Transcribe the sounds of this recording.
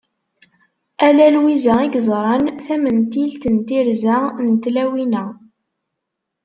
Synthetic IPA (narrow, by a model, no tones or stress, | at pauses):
ælælwizæiɡzˤɾˤɑnθæmənt̪ilt̪ənt̪iɾzænət̪læwinæ